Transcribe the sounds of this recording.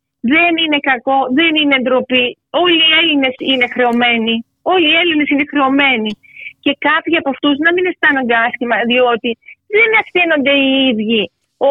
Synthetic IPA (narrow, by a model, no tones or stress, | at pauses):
ðe̞nine̞kɐko̞ðe̞nine̞ːnd̪ɾo̞pi | o̞lie̞line̞sine̞xɾe̞o̞me̞ni | o̞liːe̞line̞sine̞xɾe̞o̞me̞ni | ce̞kɐpçiɐpoft̪uznɐmine̞st̪ɐnund̪ɐsçimɐðio̞t̪iðe̞nɐfθino̞nd̪e̞iiðʝi | o